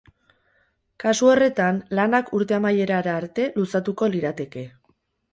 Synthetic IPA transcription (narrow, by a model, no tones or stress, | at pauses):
kasuo̞re̞t̪anlanakʰuɾt̪e̞amaje̞ɾaɾaːɾt̪e̞lusat̪uko̞liɾat̪e̞ke̞